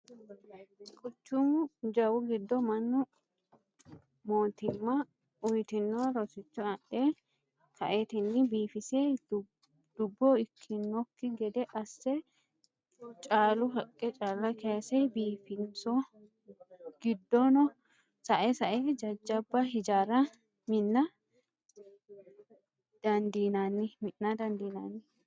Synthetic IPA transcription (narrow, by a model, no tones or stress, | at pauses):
kʼʊt͡ʃːʊmʊd͡ʒɐwʊɡɪd̪ːɔmɐnːʊ | moːt̪ɪmːɐ | ʔʊjt̪ɪnːɔɾɔsɪt͡ʃːʊɐɗe | kɐʔet̪ɪnːɪbiːfɪse | d̪̥ʊbːɔɪkʰːɪnːɔkːɪɡɛd̪ɛʔɐsːɛ | t͡ʃʼaːlʊɦɐkʼːɛt͡ʃʼaːlːɐkesɛbiːfɪnsɔ | ɡ̥ɪd̪ːɔnɔ | sɐʔɛsɐʔed͡ʒɐd͡ʒːɐbːɐɦɪd͡ʒaːɾɐ | mɪnːɐ | d̪̥ɐnd̪iːnanːɪmɪʔːɐd̪ɐnd̪iːna̰ːnːɪ